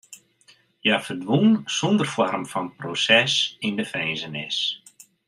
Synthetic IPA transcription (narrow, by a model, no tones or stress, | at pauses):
jafərdʋunsɔndərfɔrmfɔnprosɛsindəfɛjnzənɪs